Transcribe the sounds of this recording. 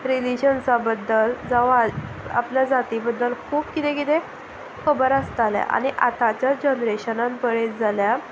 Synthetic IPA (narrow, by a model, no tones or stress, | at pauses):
ɾilid͡ʑənsabəd̪ːəld͡zaʋa | a̰pljad͡zat̪ibəd̪ːəlkʰuːbkit̪ekit̪e | kʰəbəɾəst̪alja̰ʔa̰ñiʔa̰t̪at͡ɕad͡ʑənɾeɕənãnbəɽed͡zalja